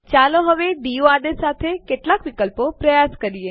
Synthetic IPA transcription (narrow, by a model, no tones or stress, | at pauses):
t͡ʃaːloɦəʋeɖioaːd̪esaːt̪ʰekeʈlaːkʋɪkəlpopɾəjaːskəɾije